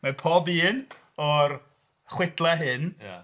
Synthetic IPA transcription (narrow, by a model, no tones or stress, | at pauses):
mapʰoːbiːn | ɔr | χwɪdlˠɛɦɨna